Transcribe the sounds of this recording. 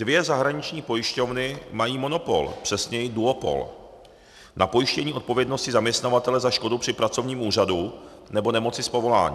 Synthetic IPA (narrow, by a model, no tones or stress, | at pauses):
dvjɛzaɦɾaɲɪt͡ʃɲiːpo̞jɪʃco̞vnɪmajiːmo̞nopo̞̰lpr̥ɛsɲɛjɪduopo̞̰l | napo̞jɪʃcɛɲiːʔo̞t̪̚po̞vjɛdno̞scɪzamɲɛst̪navat̪ɛlɛzaʃko̞dupr̝̥ɪpɾat͡so̞vɲiːmʔuːr̝adu | nɛbo̞nɛmo̞t͡sɪspo̞vo̞la̰ːɲḭː